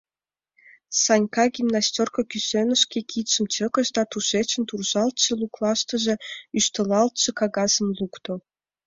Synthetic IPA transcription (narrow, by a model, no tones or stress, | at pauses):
sɑnʲkɑɡʲimnɑsʲtʲorkɤkʲysønə̆ʃkʲekʰit̪ʃə̆mt͡ɕəkə̆ʃd̪ɑt̪uʃet͡ɕə̆nt̪urʒɑlt̪ʃɤ̆luklˠɑʃt̪ə̆ʒĕyʃt̪ə̆lɑlt̪̚t͡ʃɤ̆kɑɣɑzə̆mlukt̪o